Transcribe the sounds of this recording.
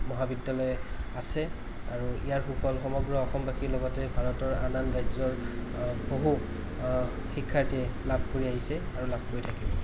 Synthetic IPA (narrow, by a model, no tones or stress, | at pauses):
mɔɦabidːalɔjasɛ | aɹuijaɹxuxʰɔlxɔmɔɡɹɔɔxɔmbaxiɹlɔɡɔtɛbʱaɹɔtɔɹa̰nanɹajzɔɹ | boɦu | xikʰːaɹtiɛlabʱkoɹiaɦisɛaɹulabʱkoɹitʰakibɔ